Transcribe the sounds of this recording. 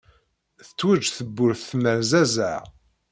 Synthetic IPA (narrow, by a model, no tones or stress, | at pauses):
θə̥t͡sːwæd͡ʒθəbːʊɾθθmæɾzæzæ̰